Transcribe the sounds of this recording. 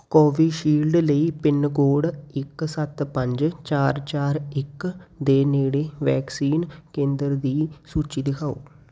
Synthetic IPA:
kɔːʋiːʃiːlɖləiːpɪnɡoːɽɪksət̪pə̃ɲd͡ʒt͡ʃaːɾt͡ʃaːɾɪkd̪eːneːɽeːʋɛːksiːnkẽːnd̪əɾd̪iːsuːt͡ʃiːd̪ɪkʰaːo̰ː

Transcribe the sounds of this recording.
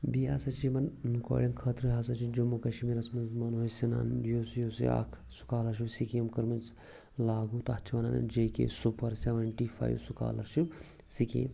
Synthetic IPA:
biaːsɐt͡ʃimɐnnka̰ːɽiŋkʰɐt̪ɾɨɦas̬ɐt͡ʃid͡ʒumukɐʃmiɾɐsmɐnzmɐnɦoosina̰ːnjoːsjoːsḭa̰kʰ | su̥kaːlɐɾʃ̬ibsikemkəɾmɐns | laːɡut̪aht͡ʃʰiʋɐna̰ːnɐ̰nd͡ʒeːkḛːsupɐɾsʲeʋɐɳʈifʰa̰ːjṵsuka̰ːlɐ̰ɾʃib | sikḛːm

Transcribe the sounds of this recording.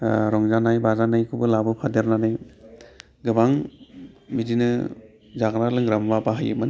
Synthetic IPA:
ɾɔŋzanajbazanajkʰɯbɯlabɯpʰadeɾnanɯj | ɡɯbaŋ | midinɯ | zaɡɾalɯŋɾambapaɦajɯ̰man

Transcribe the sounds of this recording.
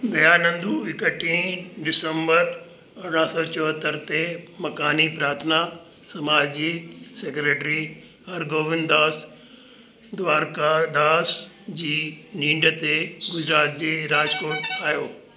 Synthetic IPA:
d̪ɐjaːnɐ̃nd̪ʱuɪkəʈʰĩːɖɪsə̃mbəɾ | ɐɽɽãsɔt͡ɕɔɦət̪əɾt̪emɐkaːnipɾaːɾt̪ʰəna | sɐmaːd͡ʑiseːkɾeːʈɾi | ɦɐɾɡoːʋɪnd̪aːs | d̪ʋaːɾkad̪aːs | d͡ʑiːnĩːɳɖət̪eɡʊd͡ʑɾaːt̪̚d͡ʑeːɾaːd͡ʑkoːɾʈaːjoː

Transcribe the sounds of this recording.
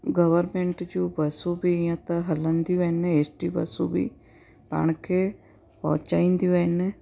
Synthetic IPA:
ɡəʋəɾmeɳʈd͡ʒuːbəsũːbiːjãːt̪aɦələnd̪iɛneeːsʈiːbə̰sũːbḭː | pa̰ːɳkʰe | pɔ̰̃ːt͡ʃaːĩnd̪iɛnɛː

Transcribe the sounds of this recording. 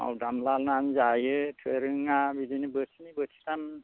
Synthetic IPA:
a̰wdamlalnanzajɯtʰɯɾɯŋabidinibɯtʰinibɯtʰi̥tam

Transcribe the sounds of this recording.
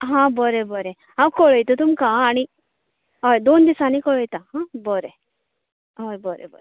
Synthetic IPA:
ɦãbɔɾebɔɾe | ãwkɔɭɔjt̪ut̪umkãaɽ̃i | ɔjd̪oːnd̪isanikɔɭəjt̪aɦãbɔɾe | ɔɾbɔɾḛbɔ̰ɾe

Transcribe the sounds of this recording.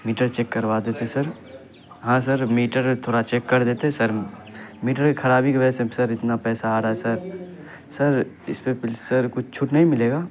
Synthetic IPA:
miːʈəɾt͡ʃeːkːɐɾʋaːd̪eːt̪eɦɛ̃sɐɾ | ɦãːs̬ɐɾmiːʈəɾt̪ʰoːɾɽat͡ʃeːkːɐɾd̪eːt̪eɦɛ̃sɐɾmiːʈəɾkekʰɐɾaːbikebɛsẽsɐɾɪt̪napɛːsaaːɾaɦɛsɐɾ | sɐɾ | ɪspepɪlsɐɾkʊt͡ʃʰt͡ʃʰʊʈnɐɦĩmɪleːɡaː

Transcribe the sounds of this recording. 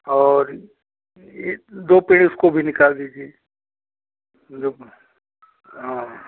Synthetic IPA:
ɔːɾ | jed̪oːpeːɽ̃iʊskobʱinɪkaːld̪iːd͡ʒie | d̪o | ɦã

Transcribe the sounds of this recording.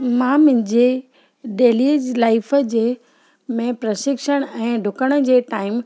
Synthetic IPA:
mãmʊ̃ɦɪ̃ɲd͡ʑe | ɖeːliːd͡ʑlaːɪfəd͡ʑeː | mẽpɾɐʃɪkʃəɽ̃ɛ̃ːɖʱʊkəɽ̃ə̆d͡ʑeːʈaːɪm

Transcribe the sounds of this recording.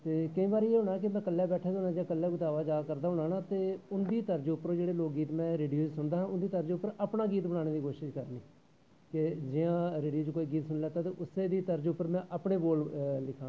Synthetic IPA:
t̪eːkəĩːbaːɾiːeːɦʊɳaːɛk̬ɪmɛ̃ːkəlːɛːbɛːʈʰaːd̪ʊːnãːd͡ʒjãːkəlːɛːɡʊt̪aːʋaːd͡ʒaːkəɾd̪aːɦʊɽaːnaːt̪eːʊnd̪iːt̪əɾd͡ʒʊpːəɾõːd͡ʒeːɽeːloːk̚ɡiːt̪mɛ̃ːɾeːɖijoːd͡ʒsʊnd̪aːɦãːʊnd̪iːt̪əɾd͡ʒʊpːəɾaːpɳaːɡiːt̪bəɽaːɽ̃eːd̪iːkoːʃɪʃkəɾniː | kɪd͡ʒɪjãːɾeːɖijoːt͡ʃkoːiːɡiːt̪sʊnlɛːt̪aːt̪eːʔʊseːd̪iːt̪əɾd͡ʒʊpːəɾmɛ̃ːʔəːpɳeːboːllɪkʰãː

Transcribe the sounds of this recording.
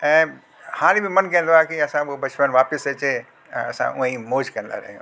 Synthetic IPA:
ɛ̃ː | hãːlibʱimɐnkɛ̃ːnd̪oaːkiɐsãobɐt͡ʃmənʋaːpɪset͡ɕe | ɐsã̰ʔʊẽĩmoːd͡ʒkɐənd̪a̰ɾɐ̰ɦijõ̰ː

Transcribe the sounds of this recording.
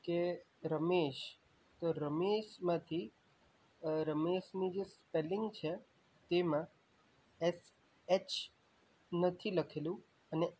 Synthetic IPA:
ke | ɾəmeʃ | t̪oɾəmeʃmãt̪ʰi | ɾəmeʃnũd͡ʒespelɪŋɡt͡ʃʰe | t̪emã | ɛs | et͡ʃ | nət̪ʰiləkʰelũ | əne

